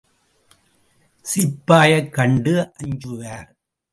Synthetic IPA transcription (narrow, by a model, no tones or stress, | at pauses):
sɪpːaːjɐkːɐɳɖɯʔɐɲd͡ʒʊɣaːɾ